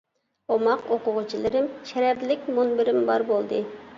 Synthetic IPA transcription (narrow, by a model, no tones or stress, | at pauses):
omɑqoqʊʁʊt͡ʃʰilˠɨɾɪmʃɛɾæɾlɪk̚ʲmunbɪɾɪmbɑɾbolˠd̪ɨ